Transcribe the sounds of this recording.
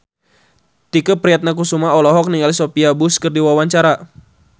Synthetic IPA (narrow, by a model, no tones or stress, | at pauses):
t̪ikəpɾiat̪̚nakusumaɔlɔɦɔk̚niŋalisopiabuskərdiwawaɲt͡ʃaɾa